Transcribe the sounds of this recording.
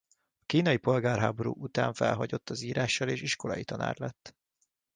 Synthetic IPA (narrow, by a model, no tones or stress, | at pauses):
ɒkiːnɒjipo̞lɡaːrɦaːbo̞ɾṵːʔut̪a̰ːɱfɛ̰lɦɒɟo̞t̪ːɒziːɾaːʃːɒleːʃiʃko̞lɒ̰jit̪ɒna̰ːrlɛt̪ː